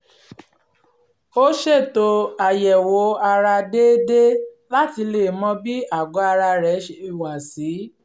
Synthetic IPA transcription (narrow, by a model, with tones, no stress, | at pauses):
o˦ʃe˦˨to˧a˨jɛ˨wo˨˦a˧ɾa˧de˦de˦ | la˦ti˧le˦˨mɔ̃˧˦bi˦a˦˨ɡɔ˨˦a˧ɾa˧ɾɛ˨˦i˨wa˨si˨˦